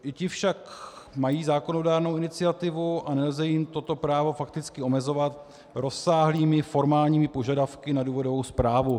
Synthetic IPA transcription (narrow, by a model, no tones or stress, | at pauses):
ʔɪcɪfʃak | majiːzaːko̞no̞daːɾnowɪnɪt͡sɪat̪ɪvuʔanɛlzɛjɪmt̪o̞t̪o̞pɾaːvo̞fak̚t̪ɪt͡skɪo̞mɛzo̞vat̪ | ɾo̞sːaːɦliːmɪfo̞ɾmaːlɲiːmɪpo̞ʒadafkɪnaduːvo̞do̞vowspɾaːvu